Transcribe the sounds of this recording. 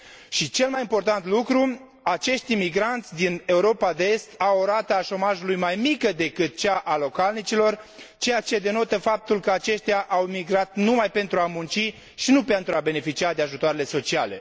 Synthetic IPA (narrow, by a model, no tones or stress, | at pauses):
ʃit͡ʃe̞lmajimpo̞rt̪ant̪lukɾu | at͡ʃe̞ʃt̪imiɡɾant̪sʲd̪ine̞uɾo̞pad̪eest̪awoɾat̪əaʃo̞maʒulujmajmikəd̪e̞kɨt̪̚t͡ʃaʔalo̞kalnit͡ʃilo̞rt͡ʃe̞jat͡ʃe̞d̪e̞no̞t̪əfap̚t̪ulkəat͡ʃe̞ʃt̪ʲjaʔawimiɡɾat̪numajpe̞nt̪ɾuamunt͡ʃi | ʃinupe̞nt̪ɾuabe̞ne̞fit͡ʃiad̪e̞aʒut̪oaɾe̞le̞so̞t͡ʃiale̞̰